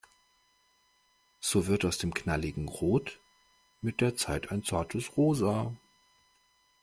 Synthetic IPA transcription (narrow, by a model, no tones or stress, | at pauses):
z̥oːvɪɐtaʊsd̥eːmknalɪɡŋ̩ʁoːt | mɪt̚d̥eːɐt͡saɪtʰaɪnt͡saɐtʰəsʁoːzaː